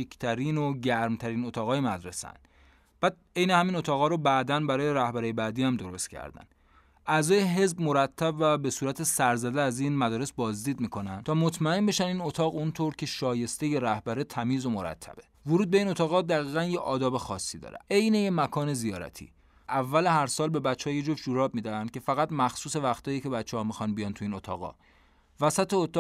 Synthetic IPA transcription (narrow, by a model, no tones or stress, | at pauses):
ekʰt̪ʰæɾiːnoɟæɾmt̪ʰæɾiːnot̪ʰɒːɣɒːjemæd̪ɾe̞̰sæ̰nd̪ | b̥æːd̪̥̚e̞jnehæmino̞t̪ʰɒːɣɒːɾobæd̪ænbæɾɒːjeɾæhbæɾiːjebæːd̪iːæmd̪o̞ɾo̞st̪cʰæ̰ɾd̪æ̰n | ʔæzɒːjeɦe̞zbmo̞ɾæt̪ʰːæbvæbe̞suːɾæt̪ʰesæɾzæd̪eæzinmæd̪ɒːɾesbɒːzd̪iːd̪miːkʰo̞nænt̪ʰɒːmo̞t̪ʰmæe̞nbe̞ʃæniːno̞t̪ʰɒːɣunt̪ʰoːɾcʰe̞ʃɒːje̞st̪e̞je̞ɾæhbæɾet̪ʰæmiːzo̞moɾæ̰t̪ʰːæ̰b̥e̞voɾuːd̪̚be̞iːno̞t̪ʰɒːɣɒːd̪æɣiːɣænjeʔɒːd̪ɒːbe̞xɒːsːiːd̪ɒ̰ːɾeejne̞jemækʰɒːne̞zijɒːɾæ̰t̪ʰḭː | ʔævːæleɦæɾsɒːlbe̞bæt͡ʃːehɒjed͡ʒofd͡ʒuɾɒːb̚miːd̪æænd̪̚cʰe̞fæɣæt̪mæxsuːse̞væxt̪ʰɒːjiːcʰe̞bæt͡ʃʰːehɒmixɒnbijɒnt̪ʰuiːno̞t̪ʰɒ̰ːɣɒ̰ː | væsæt̪ʰeot̪ʰɒː